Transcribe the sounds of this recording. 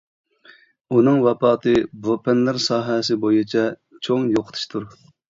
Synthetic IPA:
unɨŋwɛpɑːt̪ʰɨbopʰɛnlɪɾsɑːɦɛsɪbojut͡ʃʰɛt͡ʃʰoŋjoqʰə̥t̪ʰu̥ʃt̪ʰuɾ

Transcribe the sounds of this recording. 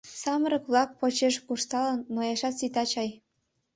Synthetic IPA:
sɑməɾəkβlɑk̚pot͡ɕeʃkuʃt̪ɑlənːojɑʃɑt̪sit̪ɑt͡ɕɑj

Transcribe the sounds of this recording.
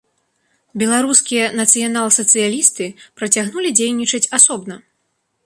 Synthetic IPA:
bʲɛlˠaɾuskʲijɐnɐt̪sɨjanalˠsɐt̪sɨjalʲist̪ɨpɾɐt͡sʲaɣnulʲid͡zʲejnʲit͡ʂɐt͡sʲasɔbnɐ

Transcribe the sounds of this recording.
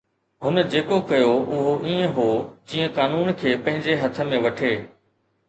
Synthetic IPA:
ɦʊnəd͡ʑeːkokɐjoʔʊɦoʔiːə̃ɦod͡ʑĩːə̃kaːnuːnkʰeːpɐ̃ɦɪ̃ɲd͡ʑeɦɐt̪ʰə̆mẽʋɐʈʰeː

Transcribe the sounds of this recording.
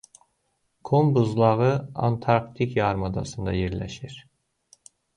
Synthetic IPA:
kʰombuzlˠɑʁɯɑ̰nt̪ʰɑɾkt̪ʰikjɑɾmɑd̪ɑ̰sɯnd̪ɑ̰jeɾlæ̰ʃiɾ̥

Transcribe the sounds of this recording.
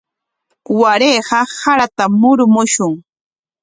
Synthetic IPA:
waɾeːɢɑsaɾat̪amʊɾmʊʃʊŋ

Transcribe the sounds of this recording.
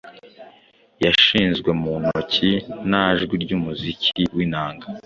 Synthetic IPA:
jaʃiːnzɡwe̞munocʰinaʒɡwiɾɟuːmuzicʰiwiːnaːŋɡa

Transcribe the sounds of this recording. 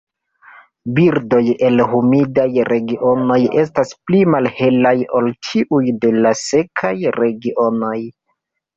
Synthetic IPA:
biɾdo̞je̞lɦumidajɾe̞ɡiʔo̞no̞je̞s̬tasplimalhe̞lajo̞lt͡ʃʰiʔujde̞lase̞kʰajɾe̞ɡiʔo̞no̞j

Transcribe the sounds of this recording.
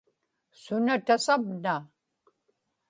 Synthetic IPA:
sʊnat̪asavna

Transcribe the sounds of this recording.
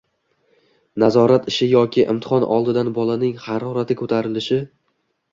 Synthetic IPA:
nazɒɾat̪ɪʃɪjɒkʲɪʔɪ̰mt̪ʰɪ̥χɒnʔɒ̰lˠd̪ɪd̪anbɒlˠanɪŋhaɾɒɾat̪ʰɪkʰɵt̪ʰaɾɪlɪʃɪ

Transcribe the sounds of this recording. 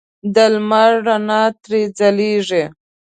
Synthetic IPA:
d̪əlmaɾɾanɑt̪ɾed͡zaliʐe

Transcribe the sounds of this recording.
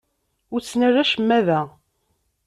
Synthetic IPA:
ʊɾt͡sːnərːæʃəmːæðæ

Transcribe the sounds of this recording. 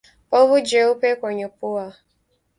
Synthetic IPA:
pɔβʊd͡ʒeopekʷoɲopʊa

